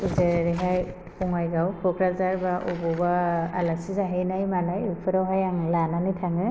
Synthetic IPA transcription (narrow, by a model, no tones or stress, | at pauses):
uzeɾɾɛɦaj | pɔŋajzawbʰɔkʰɹazaɹbaʔṵbɔbaa̰lasizaɦijnajmanajupʰɯɾɔɦajaŋlananitʰaŋɯ